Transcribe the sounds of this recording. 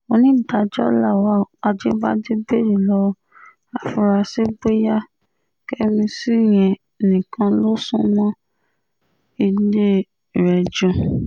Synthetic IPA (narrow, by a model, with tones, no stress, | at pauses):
o˧nĩ˦˨da˧d͡ʒɔ˦la˦˨wa˦˨a˧d͡ʒe˦ba˦d͡ʒi˦be˦˨ɾi˨lɔ˦˧ | a˨fu˧ɾa˧se˦ɡ͡be˦ja˦ | kɛ˦mĩ˧si˦˨j̃ɛ̃˨ | nĩ˨kʰã˧lo˦sũ˦mɔ̃˦ | i˧le˦˨ | ɾɛ˨d͡ʒũ˧